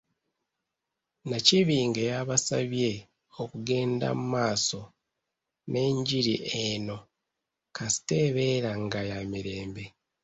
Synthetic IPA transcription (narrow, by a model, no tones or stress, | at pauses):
naciβiːŋɡejaβasa̰βje̞ | okuɡe̞ːnda̰mumaːso̞ | nʔe̞ːɲɟiɾiʔeno̞ | kasi̥te̞ːβe̞ɾaŋɡajamiɾe̞ːmbe̞